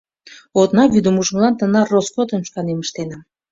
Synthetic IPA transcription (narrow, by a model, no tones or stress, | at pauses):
ot̪nɑβyd̪ə̆muʒə̆mlɑnt̪ənɑroskot̪ə̆nʃkɑneməʃt̪enɑm